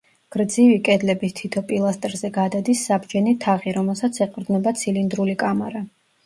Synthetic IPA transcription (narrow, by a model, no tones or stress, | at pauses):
ɡ̥ɾd̪zivikʼɛd̪lɛbist̪ʰit̪ʰɔpʼilˠast̪ʼɾzɛɡad̪ad̪isːabd͡ʒɛnit̪ʰaʁiɾɔmɛlˠsat̪sʰɛqʼɾd̪nɛbat̪sʰilind̪ɾulikʼamaɾa